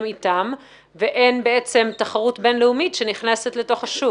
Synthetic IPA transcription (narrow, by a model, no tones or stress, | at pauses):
mitam | veʔe̞nbeet͡se̞mtaχaʁutbe̞nleumitʃe̞niχnesetleto̞χhaʃu